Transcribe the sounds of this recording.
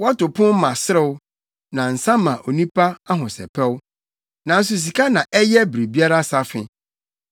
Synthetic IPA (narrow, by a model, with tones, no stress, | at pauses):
wa˦tʊ˨pʰʊ̃˦m˦mã˨sɪ˦ɾɪ˦wʊ˦ | nã˨n̩˨sã˦mã˨ʔo˨nĩ˦pʰa˦a˦ɦʊ̃˨sɛ̰˨pʰɛ˦wʊ˦ | nã˨n̩˦s̬ʊ˨s̬i˨kʰa˦nã˨ʔɛ˦jɛ˦bɾe˨bi˦a˦ɾa˦sa˦fɪ˨